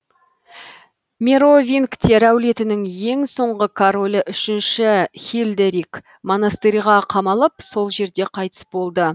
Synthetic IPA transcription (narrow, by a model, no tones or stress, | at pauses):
mʲeɾo̞vʲinkt̪ʲeɾæwle̞t̪ɪnɪŋje̞ŋso̞ɴʁəkʰaɾo̞ləʔʏʃɪnʃɪxʲilʲd̪eɾik | mo̞nast̪eɾijʁɑqʰɑmɑlˠəpso̞lˠʒe̞ɾd̪e̞qʰɑjt̪ə̥sbo̞lˠd̪ə